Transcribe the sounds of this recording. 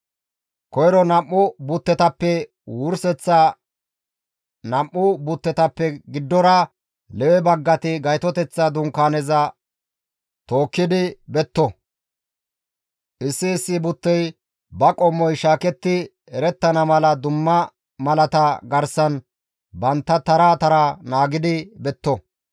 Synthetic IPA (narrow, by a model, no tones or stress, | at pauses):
kɔjɾɔnɐmːʊbʊt̪ːɛt̪ɐpːɛ | wʊɾsɛt͡sːɐ | nɐmːʊbʊt̪ːɛt̪ɐpːɛɡɪd̪ːɔɾɐ | lɛwɛbɐɡːɐt̪ɪɡɐjt̪ɔt̪ɛt͡sːɐd̪ʊŋkaːnɛzɐ | t̪o̞ːkːɪd̪ɪbɛt̪ːɔ | ʔɪsːɪːsːɪbʊt̪ːɛj | bɐkʼɔmːɔjʃaːkɛt̪ːɪ | ɛɾɛt̪ːɐnɐmɐlɐd̪ʊmːɐ | mɐlɐt̪ɐɡɐɾsɐn | bɐnt̪ːɐt̪ɐɾaːt̪ɐɾanaːɡɪd̪ɪbɛt̪ːɔ